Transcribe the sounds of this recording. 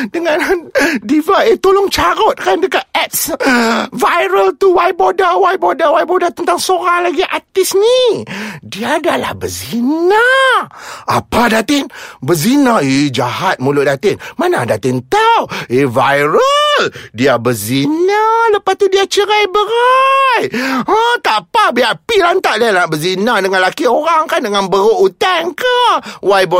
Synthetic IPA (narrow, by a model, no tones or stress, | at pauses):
dəŋandivajət̪olʊŋt͡ʃaɾʊt̪̚kandəkat̪̚ɛt̪̚s | vajɾəlt̪uwajbodawajbodawajbodat̪ənt̪aŋsoɾaŋlaɡiʔat̪ɪsni | diaːdala̰hbəzina | apadat̪ɪnbəzinaid͡ʒahat̪̚mulʊʔ̚dat̪ɪnmanadat̪ɪnt̪awevajɾəldiabəzinaləpast̪udiat͡ʃəɾajbəɾajət̪apabiapilant̪aʔdialabəzinadəŋanlakioɾaŋkandəŋanbəɾoʔut̪aŋkawajbə